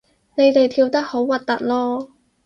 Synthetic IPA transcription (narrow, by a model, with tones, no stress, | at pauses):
ne˨˧jt̪e˨jt̪ʰiː˧wt̪ɐ˥k̚ho˨˥wwɐ˨˩t̚t̪ːɐ̰˨t̚lɔː˥